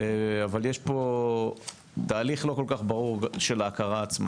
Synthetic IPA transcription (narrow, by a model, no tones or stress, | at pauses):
avaljeʃpo̞ | t̪aːliχlo̞ko̞lkaχbaʁuʁʃe̞laːkaʁaːt͡sma̰